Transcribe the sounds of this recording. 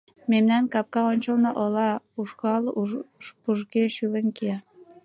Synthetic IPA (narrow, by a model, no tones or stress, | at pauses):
memnænkɑp̚kɑonʲt͡ɕŏlnɑʔŏlɑ | uʃkɑl | buʒɡeʃyβə̆nki